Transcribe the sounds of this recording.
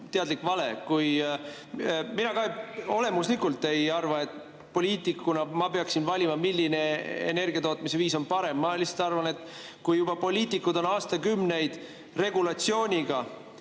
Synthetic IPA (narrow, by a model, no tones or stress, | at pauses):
t̪e̞ɑd̪likːvɑle̞kuj | minɑkɑeo̞le̞muslikult̪ːe̞jɑrvɑe̞t̪ːˑ | po̞lʲiːt̪ˑikːunɑmɑpeɑksinvɑlʲimɑmilʲːine̞ḛne̞rɡiɑt̪oːt̪mise̞viːso̞npɑɾe̞mːɑlise̥t̪ɑrvɑne̞t̪ːˑkujːub̥ɑpo̞lʲiːt̪ːˑikːˑud̪o̞nɑːst̪ɑkymne̞jd̪̥ | re̞ɡulɑt̪sio̞ːnʲiɡ̥ɑ